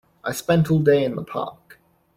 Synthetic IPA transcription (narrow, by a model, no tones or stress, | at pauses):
ʔaɪspɛ̃ntʰɔlˠdeɪɨ̃nðəpʰɑ̰ˑk